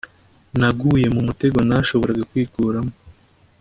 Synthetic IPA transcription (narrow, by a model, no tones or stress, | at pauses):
naɡuːje̞mumute̞ɡo̞naʃo̞βo̞ɾaɡakwiːkuːɾamo